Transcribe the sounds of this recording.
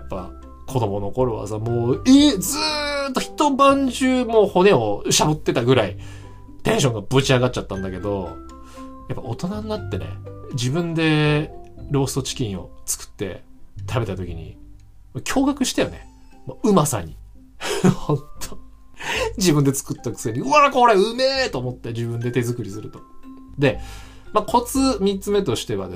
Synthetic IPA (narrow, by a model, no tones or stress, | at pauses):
jjapːa̰ | kʰo̞d̪o̞mo̞no̞ko̞ɾo̞βa̰samoːed͡zɨt̪ːoçʲi̥t̪o̞bãɲ̟d͡ʑɨːmoːho̞ne̞o̞ɕabot̪ːe̞t̪aɡɯ̟ɾai | t̪ẽ̞ɰ̃ɕõ̞ŋɡabɯt͡ɕiaɡat̚t͡ɕːat̪ːãnd̪ake̞d̪o̞ | japːao̞t̪o̞naɲinːat̪ːe̞̰nḛd͡ʑibɯ̟̃nd̪e̞ | ɾo̞ːsɨ̥t̪o̞t͡ɕi̥kʲĩɰ̃o̞̰t͡sɨ̥kɯ̟̥t̪ːe̞̰t̪ʰabe̞t̪at̪o̞kʲiɲ̟ḭ | mokʲʰo̞ːɡakɯ̟ɕi̥t̪ejone | moɯ̟masa̰ɲ̟i | hõnt̪ʰo | d͡ʑibɯ̟̃nd̪e̞t͡sɨ̥kɯ̟t̪ːakɯ̥sɲ̟iɯaɾakooɾeɯ̟met̪o̞ːmo̞t̪ːe̞d͡ʑibɯ̃nd̪e̞t̪e̞zɨkɯ̟ɾʲisɨɾɯ̟t̪o | d̪e̞ | makʰo̞t͡sɨmʲit͡sɨme̞t̪o̞ɕi̥t̪e̞βa̰d̪e